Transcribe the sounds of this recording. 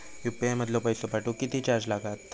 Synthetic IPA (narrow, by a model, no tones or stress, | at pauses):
jupemət̪loʋpəjsopaʈũkit̪it͡ɕaɾd͡ʑlaɡat̪